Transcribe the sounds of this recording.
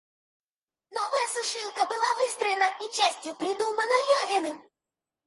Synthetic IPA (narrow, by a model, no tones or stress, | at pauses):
nɔvɐjəsɨʂɨlˠkəbɨlˠavɨst̪ɾəjɪnɐit͡ɕasʲtʲjʊpɾʲɪd̪umɐnɐjɔɦʲɪnɨm